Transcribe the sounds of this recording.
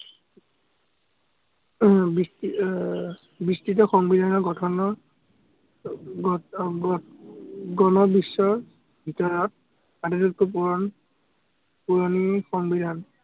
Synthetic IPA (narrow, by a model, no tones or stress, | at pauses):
bis | bistit̬ɔxɔŋbid̪ʱanɔɡɔtʰɔnɔ | ɡɔnɔbisːɔɹ | bʱitɔɹɔt̚ | atɛtɔkupuɹɔn | puɹɔnixɔŋbid̪ʱan